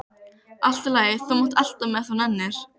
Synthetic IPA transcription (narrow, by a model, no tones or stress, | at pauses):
al̥t̪ʏlaːjɪθawmowt̪al̥t̪amɛθananːɪɾ̥